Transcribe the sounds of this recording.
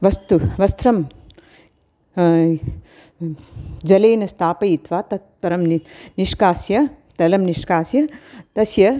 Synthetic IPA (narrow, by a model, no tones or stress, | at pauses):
ʋɐst̪uʋɐst̪ʰɾɐm | d͡ʒɐleːnɐst̪ʰaːpɐjit̪ʋaːt̪ɐt̪̚pɐɾɐmnniʂkaːsjɐ | t̪ɐlɐmniʂkaːsjɐt̪ɐsjɐ